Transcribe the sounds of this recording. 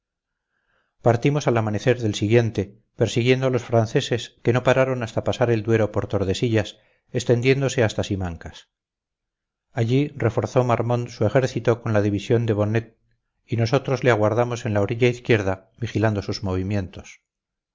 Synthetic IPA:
paɾt̪imo̞salamane̞θe̞ɾðe̞lsiɣje̞nt̪e̞ | pe̞ɾsiɣje̞nd̪o̞alo̞sfɾanθe̞se̞ske̞no̞paɾaɾo̞nast̪apasaɾe̞ld̪we̞ɾo̞po̞ɾt̪o̞ɾðe̞siʎas | e̞st̪e̞nd̪je̞nd̪o̞se̞ast̪asimaŋkas | aʎire̞fo̞ɾθo̞maɾmõ̞nsue̞xe̞ɾθit̪o̞ko̞nlaðiβisjo̞nd̪e̞βo̞net̪̚ | ino̞s̬o̞t̪ɾo̞zle̞aɣwaɾðamo̞se̞nlao̞ɾiʎaiθkje̞ɾða | βixiland̪o̞suzmo̞β̞imje̞nt̪o̞s

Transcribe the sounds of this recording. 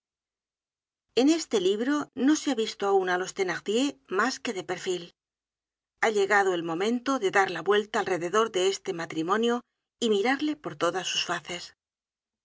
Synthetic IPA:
e̞ne̞st̪e̞liβ̞ɾono̞seaβist̪oaunalo̞st̪e̞naʁðje̞maske̞ðe̞pe̞ɾfil | aʎe̞ɣaðo̞e̞lmõ̞mẽ̞nt̪o̞ðe̞ðaɾlaβwe̞lt̪aːlre̞ðe̞ðo̞ɾðe̞est̪e̞mat̪ɾimõ̞njo | imiɾaɾle̞po̞ɾt̪o̞ðasːusfaθe̞s

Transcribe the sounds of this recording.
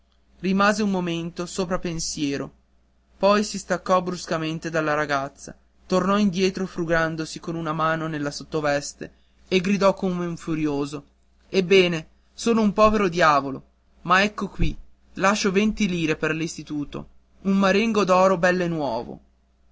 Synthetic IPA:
rimaːzeummːoment̪osoːpɾapensjɛːɾo | pɔjsist̪akːɔbɾuskament̪ed̪alːaɾaɡat̪sːa̰ | t̪ornɔind̪jɛːt̪ɾofɾuɡand̪osikonunamaːnonelːasot̪ːovɛst̪e | eɡɾid̪ɔkːomeuɱfuɾjoːzo | ebːɛːne | soːloumpɔːveɾod̪jaːvolo̰ | maɛkːokwi | laʃːovent̪iliːɾeperlist̪it̪uːt̪o̰ | unmaɾiŋɡod̪ɔːɾobɛlːenːwɔ̰ːvo̰

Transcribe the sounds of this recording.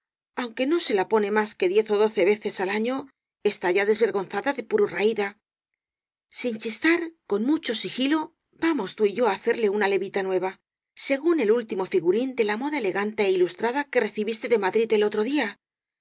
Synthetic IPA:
awŋke̞no̞se̞lapo̞ne̞maske̞ðje̞θo̞ðo̞θe̞β̞e̞θe̞salaɲo̞ | e̞st̪aʝaðe̞zβe̞ɾɣo̞nθaðaðe̞puɾuraiða | sint͡ʃist̪aɾko̞nmut͡ʃo̞sixilo̞ | bamo̞st̪uiʝo̞aːθe̞ɾle̞unale̞βit̪anwe̞β̞a | se̞ɣune̞lult̪imo̞fiɣuɾind̪e̞lamo̞ðaeleɣant̪eeilust̪ɾaðake̞re̞θiβist̪e̞ðe̞maðɾit̪e̞lo̞t̪ɾo̞ðia

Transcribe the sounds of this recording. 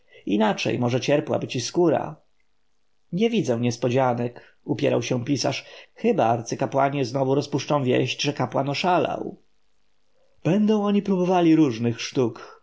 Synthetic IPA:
inat͡ʂɛ̰jmɔʐɛt͡ɕɛɾpwa̰bɘt͡ɕiskuɾa̰ | ɲɛvʲid̪zɛw̃ɲɛspɔd͡ʑanɛk | upʲjɛɾawɕɛw̃pʲisa̰ʂxɘbaaɾt̪sɘkapwaɲɛznɔvuɾɔspuʂt͡ʂɔ̃w̃vʲjɛ̰ʑd͡ʑʐɛkapwanɔʂala̰w | b̥ɛnd̪ɔ̃w̃ɔɲipɾubɔvalʲiɾuʐnɘxʂt̪uk

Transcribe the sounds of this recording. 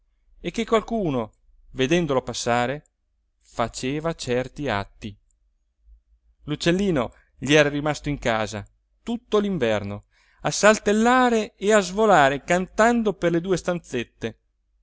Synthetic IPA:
ekːekwalkuːno | ved̪ɛnd̪olopasːaːɾe | fat͡ʃeːvat͡ʃɛrt̪ia̰t̪ːi | lut͡ʃːelːiːno | ʎiɛːɾarimast̪oiŋkaːza̰ | t̪ut̪ːoliɱvɛrno | asːalt̪elːaːɾeːazvolaːɾekant̪and̪operled̪uːest̪ant̪set̪ːe

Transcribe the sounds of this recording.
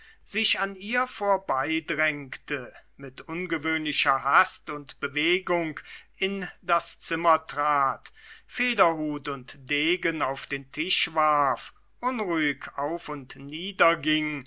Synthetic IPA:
z̥ɪçaniːɐfoːɐbaɪdʁɛŋktəmɪtʔʊnɡəvøːnlɪçɐɦastʊntb̥əveːɡʊŋkɪndast͡sɪmɐtʁ̥aːtfeːdɐhuːtʊntd̥eːɡənaʊfd̥eːntʰɪʃv̥aɐf | ʔʊnʁuɪkaʊfʊntniːdɐɡɪŋ

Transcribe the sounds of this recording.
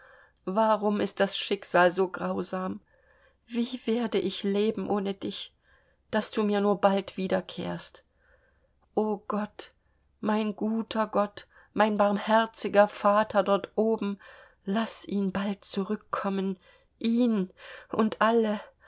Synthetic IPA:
vaʁʊmɪst̚d̥asʃɪkz̥aːlzoːɡʁaʊzaːm | viːveːɐdəʔɪçleːbm̩ʔoːnədɪç | d̥asd̥uːmiːɐnuːɐbaltv̥iːdɐkʰḛːɐst | ʔoːɡ̥ɔt | maɪnɡuːtʰɐɡɔt | maɪnbaɐmhɛɐt͡sɪɡɐfaːtʰɐdɔɐtʔoːbm̩ | lasʔiːnbalt̚t͡suʁʏkʰːɔmən | ʔiːnʔʊntʔalə

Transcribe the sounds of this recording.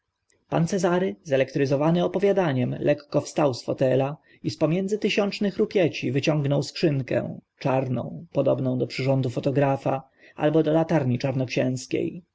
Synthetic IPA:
pa̰nt̪sɛzaɾɘzɛlɛkt̪ɾɘzɔvanɘɔpɔvʲjad̪aɲɛmlʔɛkːɔfst̪awsfɔt̪ɛla | ispɔmʲjɛndzɘt̪ɘɕɔnt͡ʂnɘxɾupʲjɛt͡ɕivɘt͡ɕɔ̃ŋɡnɔwskʂɘŋkɛ̰̃t͡ʂaɾnɔ̰̃w̃pɔd̪ɔ̰bnɔ̃w̃d̪ɔpʂɘʐɔnd̪ufɔt̪ɔɡɾafa | ʔa̰lbɔd̪ɔlat̪aɾɲit͡ʂaɾnɔkɕɛ̃w̃skʲḛj

